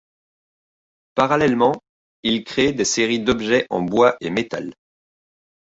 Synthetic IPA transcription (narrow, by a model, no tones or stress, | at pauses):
paʁalɛlmɑ̃ | ilkχed̪eseʁid̪ɔbʒɛʔɑ̰̃bwaʔemet̪a̰l